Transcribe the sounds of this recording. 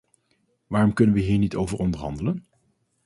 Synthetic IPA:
ʋaːrɔmkɵnənʋəɦiːɹnitowvəɹɔndəɹɦɑndələn

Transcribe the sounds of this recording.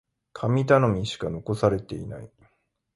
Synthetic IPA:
kʰamʲit̪ano̞mʲiɕi̥kano̞ko̞saɾe̞t̪e̞̰ḭna̰i

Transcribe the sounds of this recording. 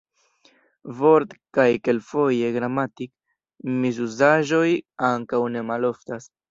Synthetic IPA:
vo̞ɾtkajke̞lfo̞je̞ɡɾamatik | mizuzaʒo̞jaŋkawne̞malo̞ftas

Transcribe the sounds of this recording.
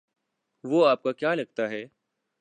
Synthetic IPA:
ʋoːaːp̚kakjaːlɐɡ̚t̪aɦɛː

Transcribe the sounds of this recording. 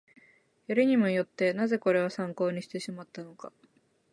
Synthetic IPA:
jaɾɯ̟ɲ̟imo̞jo̞t̪ːe̞naze̞ko̞ɾe̞βasãŋko̞ːɲ̟iɕi̥t̪e̞ɕimat̪ːano̞ka̰

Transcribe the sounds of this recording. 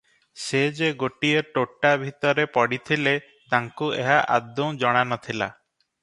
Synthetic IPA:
sed͡ʒeɡoʈieʈoʈːabʱit̪ɔɾepɔɽit̪ʰile | t̪aŋkueɦaʔad̪ũd͡ʒɔɽ̃anɔt̪ʰila̰

